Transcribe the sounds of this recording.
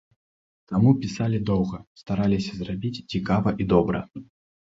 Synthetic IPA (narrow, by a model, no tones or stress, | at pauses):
t̪amupʲisalʲid̪ɔwɣɐst̪aɾalʲisʲɐzrabʲit͡sʲt͡sʲikavɐʔid̪ɔbɾɐ̰